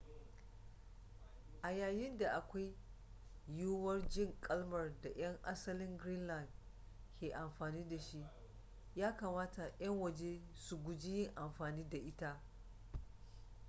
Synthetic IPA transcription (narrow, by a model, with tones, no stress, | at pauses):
ʔa˨jaː˨jɪ˦nda˨ʔa˨kʷa˦j | juː˦wɐ˦rd͡ʒɪ˦˨ŋkʼɐ˦lmɐ˨rda˨j̰ɐ˦ŋʔa˦sɐ˦lɪ˦ŋɡɾi˦nlɐ˨nd | kʲʰeː˨ʔa˨mɸaː˨niː˦da˨ʃi˦ʔ | jaː˦kaː˨maː˦ta˨j̰ɐ˦ŋwɐ˨d͡ʒe˦su˨ɡʷʊ˨d͡ʒɪ˦jɪ˦ŋʔa˨mɸaː˨niː˦da˨ʔɪ˦ta˦ʔ